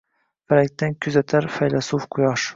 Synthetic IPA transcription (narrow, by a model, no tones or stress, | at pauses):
faɾak̚ʲt̪ankʲʰyzat̪ʰaɾfajlasufqʰʊjɑʃ